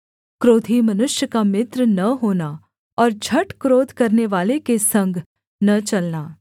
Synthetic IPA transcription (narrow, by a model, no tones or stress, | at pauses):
kɾoːd̪ʱimɐnʊʃjəkamɪt̪ɾnɐɦoːna | ɔːɾd͡ʒʱɐʈkɾoːd̪ʱkɐɾneʋaːlekesɐ̃ŋɡʱ | nɐt͡ʃɐlnaː